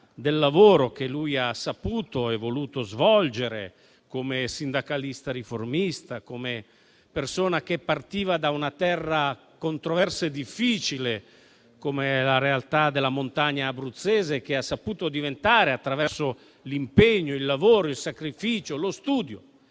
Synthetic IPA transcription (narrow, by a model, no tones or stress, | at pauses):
d̪elːavoːɾok̟elujasːapuːt̪oɛvːoluːt̪ozvɔld͡ʒeɾḛ | komesind̪akalist̪aɾiformist̪akome | persoːnak̟epːart̪iːvad̪aunat̪ɛrːa | kont̪ɾovɛrsed̪ifːiːt͡ʃile | komelaɾealt̪ad̪elːamont̪aɲːaːbɾut̪sːɛːzek̟easːapuːt̪od̪ivent̪aːɾeat̪ːɾavɛrso | limpeɲːoilːavoːɾoilsakɾifiːt͡ʃolost̪uːd̪jo